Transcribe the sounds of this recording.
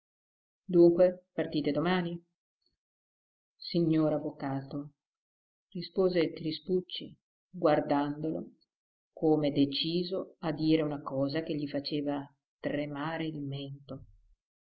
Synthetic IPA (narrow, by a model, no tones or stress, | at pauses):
d̪uŋkwepart̪iːt̪ed̪omaːni | siɲːoːɾavːokaːt̪o | rispoːzek̪ɾisput͡ʃːḭ | ɡward̪and̪olo̰ | kʰoːmed̪et͡ʃiːzoad̪iːɾeunakɔːzak̟eʎːifat͡ʃeːva | t̪rɾemaːɾeilment̪o